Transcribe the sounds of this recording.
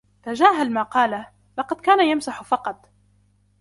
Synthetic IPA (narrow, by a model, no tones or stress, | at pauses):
t̪ad͡ʒaːɦalmaːqɑːla | lɑqɑd̪̚kaːnajamsaħfɑqɑt̪ˤ